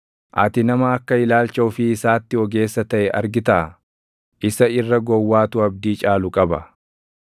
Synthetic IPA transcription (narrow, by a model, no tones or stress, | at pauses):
ʔɐt̪ɪnɐmɐːkːɐɪlaːlt͡ʃɐʊfɪːsaːt̪ːɪɔɡe̞ːsːɐt̪ɐʔɛʔɐ̰ɾɡɪt̪ɐʔ | ʔɪsɐɪrːɐɡɔwːaːt̪ʊɐb̚d̪iːt͡ʃʼaːlʊkʼɐbɐ